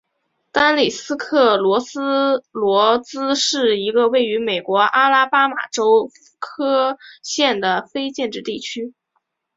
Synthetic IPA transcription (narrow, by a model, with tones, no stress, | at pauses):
t̪a˥nli˨˩sɹ̩˥kʰɤ˥˩lwɔ˧˥t͡sɹ̩˥lwɔ˧˥t͡sɹ̩˥ʂɻ̩˥˩i˧˥ɡə˧we˥˩ɪy˧˥me˨˩ɪkwɔ˧˥ʔa˥la˥pa˥ma̰˨˩ʈ͡ʂo˥ʊ˩ | kʰɤ˥ɕjɛ˥˩nd̪ə˩fe˥ɪt͡ɕjɛ˥˧nʈ͡ʂɻ̩˥˧t̪i˥˩t͡ɕʰy˥